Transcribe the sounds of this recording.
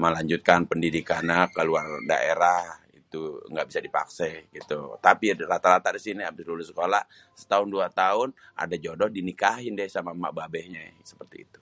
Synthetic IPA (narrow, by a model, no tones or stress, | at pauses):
məlaɲd͡ʒut̪̚kanpəndidikanakəluarda̰ʔeɾah | ḭt̪uŋɡaʔbisadipa̰ksɛɡit̪ṵt̪apirat̪aɾat̪aʔdisiniabɪslulʊsə̥kolah | sə̥t̪aʊnduat̪aʊnʔa̰dad͡ʒodɔhdinikaɦɪndɛhsamama̰ʔbabɛhɲasə̥pərt̪ḭːt̪u̥